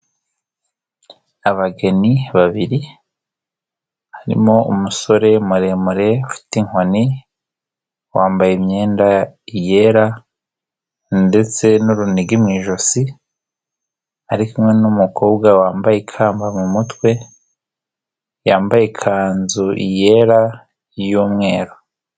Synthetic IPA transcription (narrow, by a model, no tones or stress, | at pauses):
aβaɡe̞niβaβiɾi | haɾḭmo̞ṵmuso̞ɾe̞muɾe̞muɾe̞ufi̥tiŋ̥honi | waːmbajemɲe̞ːndaije̞ɾa | nde̞t͡se̞nuɾuniɡimŋiːʒo̞si | aɾikumŋe̞numukʰoːbɡawaːmbajekʰaːmbamumutwe̞ | jaːmbajekʰaːnzuʔḭje̞ɾa | juːmŋe̞ːɾo